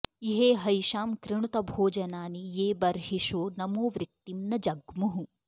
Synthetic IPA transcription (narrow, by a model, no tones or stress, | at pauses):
iɦeːɦɐjʃaːmkɾɪɳut̪ɐbʱoːd͡ʒɐnaːnijeːbɐɾɦiʃoːnɐmoːʋɾɪk̚t̪imnɐd͡ʒɐɡmuɦu